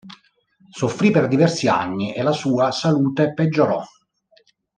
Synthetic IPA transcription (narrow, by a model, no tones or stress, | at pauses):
sofːɾiperd̪ivɛrsia̰nːiʔelasuːasaluːt̪eped͡ʒːoɾɔ̰